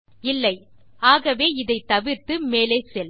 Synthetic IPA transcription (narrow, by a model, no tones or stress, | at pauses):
ɪlːɐɪ | aːɣɐʋeːɪðɐɪt̪ɐʋɪɾt̪ɯmeːleɪsɛl